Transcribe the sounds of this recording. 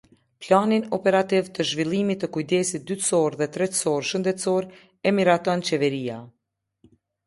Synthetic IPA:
planinɔpɛɾat̪ivt̪əʒvilˠimit̪ːəkujd̪ɛsit̪̚d̪yt̪sɔɾðɛt̪ɾɛt̪sɔɾʃənd̪ɛt̪sɔɾ | ɛmiɾat̪ɔnt͡ɕɛvɛɾia

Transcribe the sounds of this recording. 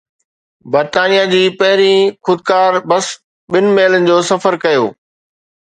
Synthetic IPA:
bɐɾt̪aːnijad͡ʑiːpɐɦɪɾixʊd̪̚kaːɾbɐs | ɓɪnɪ̆meːlənɪ̆d͡ʑoːsɐfəɾkɐjoː

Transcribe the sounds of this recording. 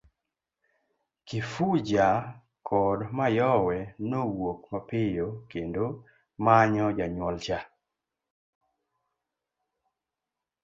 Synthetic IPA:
kɪfud͡ʒa | kʰɔdmajɔwɛnowokmapɪjokendo | maɲɔd͡ʒaɲwɔlt͡ʃa

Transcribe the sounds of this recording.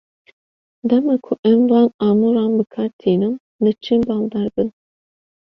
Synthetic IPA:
d̪ɛmakʰʊʔɛmvɑːnɑːmuɾɑːnbɨkʰɑɾt̪ʰiːnɨm | lɨt͡ʃʰinbɑːld̪ɑːɾbɨn

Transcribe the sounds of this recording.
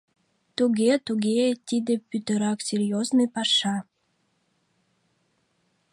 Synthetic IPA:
t̪uɣʲet̪uɣet̪ʲid̪epyt̪ə̆ɾɑksʲerʲjoznɨjpɑʃɑ

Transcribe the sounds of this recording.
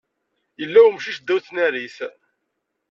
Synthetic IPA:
jəlːæwmʃiʃd̪ːæwθnæɾis

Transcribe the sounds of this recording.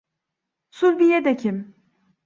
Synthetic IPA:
sulʲbijɛd̪ecʰim

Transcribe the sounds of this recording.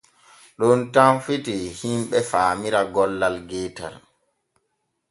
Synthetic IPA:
ɗɔntamfitihimɓɛfaːmiɾaɡɔlːalɡɛːta̰l

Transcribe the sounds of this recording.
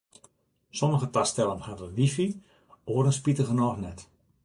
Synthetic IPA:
soməɣətastɛlˠənhaʋəʋifi | oːəɾənspitəɣənɔːxnɛt

